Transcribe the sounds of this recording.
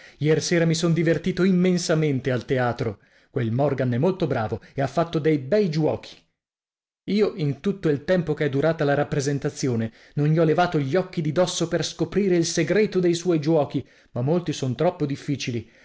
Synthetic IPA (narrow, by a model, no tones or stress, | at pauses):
jɛrseːɾamisond̪ivert̪iːt̪oimːensament̪ealt̪eaːt̪ɾo | kwelmɔrɡanɛmːolt̪obɾaːvoeafːat̪ːod̪ejbɛjd͡ʒwɔ̰ːkʰi̥ | iːoʔint̪ut̪ːoilt̪ɛmpokeɛd̪ːuɾaːt̪alaɾapːɾezent̪at̪sːjoːne | nonːiɔlevaːt̪oʎːɔkːid̪id̪ɔsːoperskopɾiːɾeilseɡɾeːt̪od̪ejswɔjd͡ʒwɔːk̟i | mamːolt̪isont̪ɾɔpːod̪ifːiːt͡ʃili